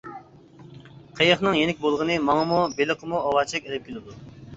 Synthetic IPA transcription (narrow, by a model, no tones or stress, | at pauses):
qʰejəχnɨŋjenɪk̚ʲbolˠʁənɨmɑŋəmubeləqʰəmuɑwɑt͡ʃʰɛkʲelɪp̚kʲilɪd̪u